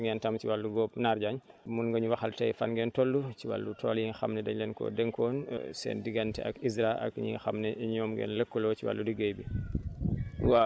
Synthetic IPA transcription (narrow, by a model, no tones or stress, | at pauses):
ŋɡɛntamt͡ʃiwalːuɡɔːpnaɾɟaɲmunŋɡɐɲuwaxaltajfanɡɛntolːut͡ʃiwa̰lːutʰɔljiŋxamnɛdɛɲlɛnkɔ̰dɛŋkɔːnsɛ̰ːndiɡantɛ̰akisɾaʔa̰kɲḭxamnɛɲɔːmɡɛ̰nləkːɔlɔt͡ʃiwa̰lːudiɡejbi | wa